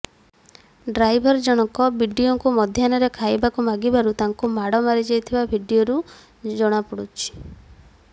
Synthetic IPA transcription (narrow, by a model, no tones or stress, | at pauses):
ɖɾajbʱɔɾd͡ʒɔɽ̃ɔkɔbʱiɖioŋkumɔd̪ʱjanɔɾekʰajbakumaɡibaɾut̪aŋkumaɽɔmaɾid͡ʒajt̪ʰibabʱiɖijoɾu | d͡ʒɔɽ̃apɔɽut͡ʃʰi̥